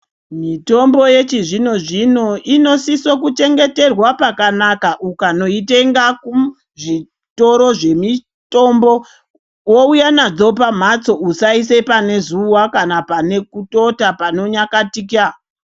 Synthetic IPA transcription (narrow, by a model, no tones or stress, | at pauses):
mito̞mbo̞je̞t͡ʃiʐino̞ʐino̞ʔino̞siso̞kut͡ʃe̞ŋɡe̞te̞rwapakanakaʔukano̞ite̞ŋɡaku | ʐi | to̞ɾo̞ʐe̞mi | to̞mbo̞ | woujanad͡zo̞pam̤at͡so̞usaise̞pane̞zuwakanapane̞kuto̞tapano̞ɲakatika